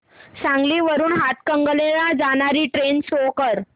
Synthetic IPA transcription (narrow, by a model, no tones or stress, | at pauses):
sãŋɡliːʋəɾuːnɦat̪kəŋɡəlelad͡zañaɾiːʈɾensokəɾ